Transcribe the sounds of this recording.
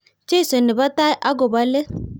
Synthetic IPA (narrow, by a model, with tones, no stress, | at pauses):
t͡ʃe˦i˦˨so˨nɪ˨ba˦ta˦ʔa˦ɡo˨ba˦le˦